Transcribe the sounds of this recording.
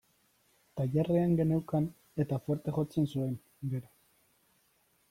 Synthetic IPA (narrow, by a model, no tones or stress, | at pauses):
t̪ajareaŋɡe̞newkan | e̞t̪afweɾt̪e̞xo̞t͡se̞nsue̞n | ɡe̞ɾo